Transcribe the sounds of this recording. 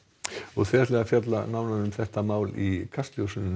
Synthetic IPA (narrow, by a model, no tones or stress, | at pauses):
ɔɣθvɛɛt̪lɛːɣafjat̪̬lanaːwnaðʏmθɛht̪amaːwlikʰast̪ljowsʏnɪn